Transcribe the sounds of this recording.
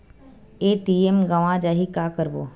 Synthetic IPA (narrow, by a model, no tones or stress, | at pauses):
eːʈiemɡəʋãd͡ʒaːɦikaːkəɾboː